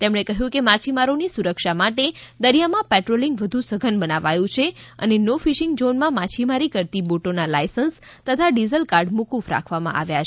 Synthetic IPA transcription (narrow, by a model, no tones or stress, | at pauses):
t̪emɳekəɦjũkemat͡ʃʰimaɾonisuɾəkʃamaʈed̪əɾijamãpɛʈɾoliŋɡʋəd̪ʱũsəɡʱənbənaʋajũt͡ʃʰeə̰nenofiʃiŋɡd͡ʒonmãmat͡ʃʰimaɾikəɾt̪iboʈonalajsənst̪ət̪ʰaɖizəlkaɾɖmukufɾa̰kʰʋamã̰ʔa̰ʋja